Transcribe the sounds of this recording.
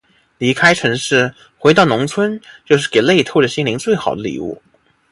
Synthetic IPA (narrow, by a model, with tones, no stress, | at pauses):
li˧˥kʰa˥ɪʈ͡ʂʰɤ˧˥ŋʂɻ̩˥˩ | xwe˧˥ɪɑ˥˩ʊnʊ˧˥ŋt͡sʰwə˥nt͡ɕjo˥˧ʊʂ̬ɻ̩˥˩ke˨˩ɪle˥˧ɪt̪ʰo˥˩ʊʈ͡ʂə˩ɕi˥nli˧˥ŋt͡swe˥˩ɪxɑ˨˩ʊd̪ə˦lḭ˨˩ṵ˥˩